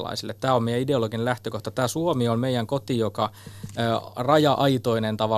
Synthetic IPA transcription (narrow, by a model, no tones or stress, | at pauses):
lɑ̰isilːet̪t̪æːommejæideoloɡinelæht̪økoht̪ɑt̪æːsuomiolmeijæŋkot̪ijokɑː | rɑjɑʔɑit̪oinent̪ɑʋɑ